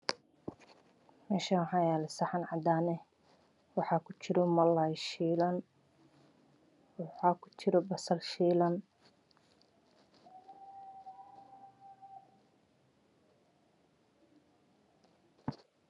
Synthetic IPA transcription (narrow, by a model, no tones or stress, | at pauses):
mɛːʃaħɑjaːlɛsɐħɑnʕɑd̪aːnɛ | wɑħɑːkʰʊt͡ʃɪɾɔmɐlajʃilɐn | wħɑːkʰʊ̥t͡ʃɪɾɔbɐsɐlʃiːlɐn